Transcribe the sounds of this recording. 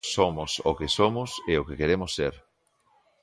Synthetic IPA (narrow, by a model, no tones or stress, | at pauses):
somʊsokesomʊseokekeɾemʊsːeɾ